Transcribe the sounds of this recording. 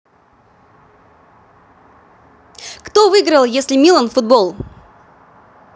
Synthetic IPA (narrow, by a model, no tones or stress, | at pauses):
kt̪ovɨɡɾəlˠjesʲlʲɪmʲilˠənfʊd̪̚bolˠ